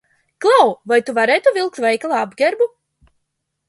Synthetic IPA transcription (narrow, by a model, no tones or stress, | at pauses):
klˠawvajt̪uvaɾɛjt̪uvʲilˠk̚t̪vɛjklˠaːabɡʲɛɾbu